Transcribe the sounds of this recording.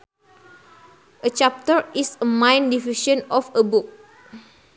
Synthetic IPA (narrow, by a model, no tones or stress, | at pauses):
ʔət͡ʃap̚təɹisəmãj̃ndiviʃə̃nɔfəbuk̚